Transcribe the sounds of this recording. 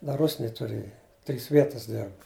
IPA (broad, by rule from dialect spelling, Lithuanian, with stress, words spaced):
ˈdɐ ˈrʊsʲnʲeːj tʊˈrʲeːjɛ tʲrʲiːs ˈʋʲiɛtɐs ˈdʲɛrp